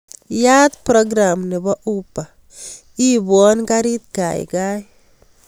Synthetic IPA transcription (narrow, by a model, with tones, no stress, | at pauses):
ja˦t̪pɾɔ˦ɡɾa˨mnɪ˨bɔ˦ʔupːa˨ | i˦bɔ˦nka˦ɾi˦t̪ka̰˨j̰kaj